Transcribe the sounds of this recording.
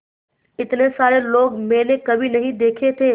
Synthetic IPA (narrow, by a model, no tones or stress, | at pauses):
ɪt̪nesaːɾeloːɡmẽːnekɐbʱinɐɦĩd̪eːkʰet̪ʰeː